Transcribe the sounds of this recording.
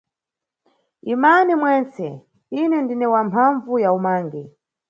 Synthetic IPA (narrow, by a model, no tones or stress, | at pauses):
imanimwɛnt͡sɛ | inɛndinɛwampʰaɱvujaumaːŋɡɛ